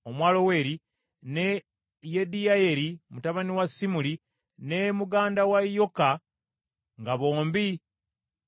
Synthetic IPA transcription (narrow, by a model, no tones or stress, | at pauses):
omwaːlo̞we̞ːɾi | ne | jedijaje̞ɾimutaβaniwasːimuli | nemuɡaːndawajːo̞ka | ŋɡaβo̞ːmbi